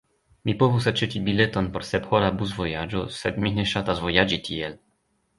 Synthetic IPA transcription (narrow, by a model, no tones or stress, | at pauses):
mipoɦus̬at͡ʃet̪ʲibilɛt̪ɔnpɔɾsɛpxɔɾabuzvɔjad͡ʒɔsɛd̪miɦnɛʃat̪azvɔjad͡ʒit̪iɛl